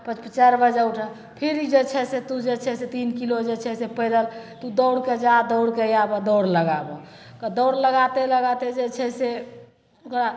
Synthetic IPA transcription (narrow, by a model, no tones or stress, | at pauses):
pət͡ʃpət͡ʃəɾbəd͡ʒəuʈʰə | pʰeɾid͡ʒet͡ʃʰɛset̪ud͡ʒet͡ʃʰɛset̪inkilod͡ʒet͡ʃʰɛsepəjd̪əlt̪ud̪əwɽked͡ʒad̪əwɽkejabəd̪əwɽləɡabɔ | kəd̪əwɽləɡat̪eləɡat̪ed͡ʒet͡ʃʰɛse | okɾa